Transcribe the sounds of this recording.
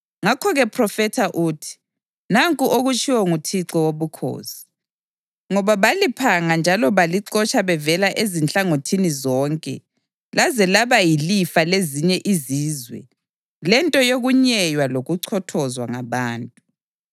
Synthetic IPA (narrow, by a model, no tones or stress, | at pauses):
ŋakʰɔɣɛpʰrɔfɛtʰaʔuːtʰi̥ | naŋkʼuʔoɣut͡ʃʰʼiwɔŋutʰiǁɔwoβukʰo̰ːsi̥ | ŋɔβaβalipʰaŋand͡ʒʱalɔβaliǀɔt͡ʃʼaβɛvɛlaʔezint͡ɬʼaŋotʰinizɔːŋkʼɛ̰ | lazɛlaβajilifaleziɲɛʔiziːzwɛ̰ | lɛntʼɔjoɣuɲɛjwaloɣuǀʰɔtʰɔzwa̰ŋaβaːntʼu